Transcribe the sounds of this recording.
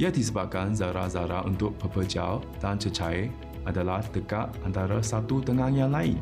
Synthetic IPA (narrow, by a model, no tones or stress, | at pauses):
iad̪isəbap̚kanzaɾazaɾa̰ʔṵnt̪ʊk̚pəpəd͡ʒa̰l | dant͡ʃət͡ʃaj | adalahd̥əkat̪̚ʔant̪aɾasat̪ut̪əŋaŋjaŋlaɪn